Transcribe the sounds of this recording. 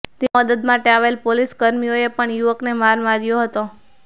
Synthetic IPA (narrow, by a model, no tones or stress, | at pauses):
t̪eəd̪əd̪maʈeaʋelpoliskəɾmioepəɳjuʋəknemaɾmaɾjoɦət̪o